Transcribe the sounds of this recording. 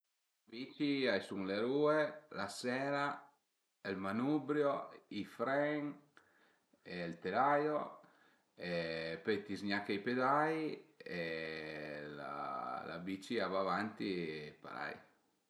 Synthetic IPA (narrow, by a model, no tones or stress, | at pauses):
abit͡ʃiajsuŋleɾuːelasɛːɾa | elmanubɾjoifɾɛŋ | elt̪elajo | epet̪izɲakejped̪aje | la̰la̰bit͡ʃiavavant̪ipa̰la̰j